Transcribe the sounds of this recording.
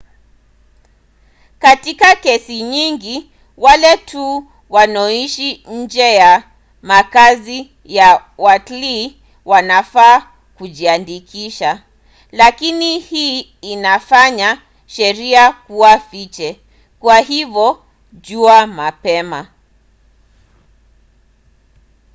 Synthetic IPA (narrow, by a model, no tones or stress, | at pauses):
katikakɛsiɲiŋɡi | walɛtʰu | wanɔiʃiɲ̩d͡ʒɛja | makazi | jawatli | wanafaː | kuʄiandikiʃa | lakinihiː | nafaɲa | ʃɛɾiakuafit͡ʃɛ | kwaɦivjɔ | ʄuamapɛma